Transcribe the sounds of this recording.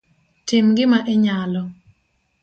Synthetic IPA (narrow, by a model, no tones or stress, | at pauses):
tɪmɡɪmaʔeɲalɔ